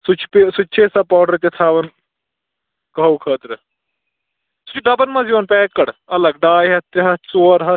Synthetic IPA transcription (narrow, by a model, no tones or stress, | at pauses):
sut͡ʃʰpesut͡ʃʰesɐpɔːɖɐɾt̪et̪ʰaːʋɐn | kɐwkʰəːt̪ɾɨ | su̥t͡ʃʰɖɐbɐnmɐziʋɐnpɛːkːɐɽɐlɐɡɖaːjɦɐt̪ɐɦɐt͡soːɾɦɐ